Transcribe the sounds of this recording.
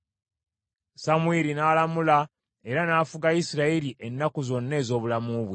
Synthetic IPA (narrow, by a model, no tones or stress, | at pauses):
samuiɾinaːlamula | e̞ɾanaːfuɡaisiɾaeɾiʔenːakuzo̞nːe̞ːzo̞ːβulamuβwe